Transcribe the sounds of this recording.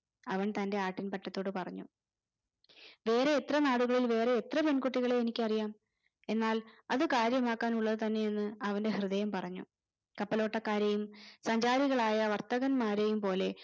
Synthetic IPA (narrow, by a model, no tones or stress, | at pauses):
ɐʋɐɳt̪ɐnde̞aːʈːinpɐtːɐt̪ːo̞ːɽɨpɐrɐɲːu | ʋe̞ːɾe̞ːt̪rɐnaːɽuɣɐɭilʋe̞ːɾe̞ːt̪rɐpe̞nkuʈːiɣɐɭe̞ːnikʲːɐrijaːm | e̞nːaːlɐðɨkaːɾjɐmaːkːaːnuɭːɐðɨt̪ɐnːe̞jenːɨɐʋɐnde̞hrɨðɐjɐmpɐrɐɲːṵ | kɐpːɐlo̞ːʈːɐkːaːɾejumsɐɲd͡ʑaːɾiɣɐɭaːjɐʋɐrt̪ɐɣɐnmaːɾe̞jumpo̞ːle̞